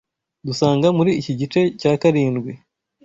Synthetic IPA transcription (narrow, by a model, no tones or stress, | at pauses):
dusaːŋɡamuɾiːciɟit͡ʃe̞caːkaɾiːnɡwi